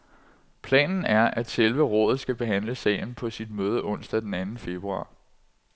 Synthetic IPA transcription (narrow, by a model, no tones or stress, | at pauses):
pʰlɛ̰ːnn̩æɐʔæd̥selʋəʁɔ̽ːð̩ˠsɡ̥æb̥e̝ɦæn̰ləsɛ̰ːɪn̩pʰɒ̽sid̥møːð̞ˠəʔɔ̽n̰sd̥æd̥enænn̩fe̝b̥ʁuɑ̰̈ː